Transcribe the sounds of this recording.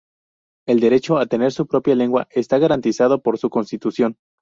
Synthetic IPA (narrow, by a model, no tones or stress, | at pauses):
e̞ld̪e̞ɾe̞t͡ʃo̞at̪ene̞ɾsupɾo̞pjale̞ŋɡwa̰ʔe̞st̪aɣaɾant̪isað̞o̞po̞ɾsuko̞nst̪it̪usjo̞n